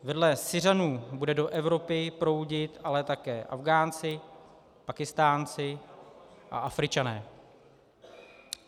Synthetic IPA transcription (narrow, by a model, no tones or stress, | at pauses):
vɛdlɛsɪranuːbudɛdo̞ʔɛvɾo̞pɪpɾo̞wɟɪt̪ʔalɛt̪akɛːʔa̰vɡaːnt͡sɪ | pakɪst̪aːnt͡sɪ | ʔa̰ʔafɾɪt͡ʃanɛː